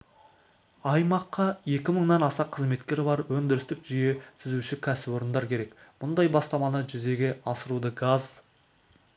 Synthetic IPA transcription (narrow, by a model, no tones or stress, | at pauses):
ɑjmɑqːɑje̞kʲɪməɴnɑnɑsɑqʰːəzme̞t̪kʲe̞ɾɪbɑɾwɵnd̪ɪɾɪst̪ɪkʒ̥ije̞t̪ʰɪzuʃɪkʲʰæsɪbo̞ɾənd̪ɑɾkʲʰe̞ɾe̞kmʊnd̪ɑjbɑst̪ɑmɑnəʒʏze̞ɡʲe̞ɑsəɾud̪əɡaz